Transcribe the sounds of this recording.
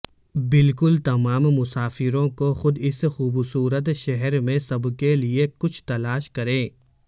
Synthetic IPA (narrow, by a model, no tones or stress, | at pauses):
bɪlkʊlt̪ɐmaːmːʊsaːfɪɾõkoxʊd̪ɪsxuːbsuːɾət̪ʃɛɦɛɾmẽsɐbkeliekʊt͡ʃʰt̪ɐlaːʃkɐɾẽː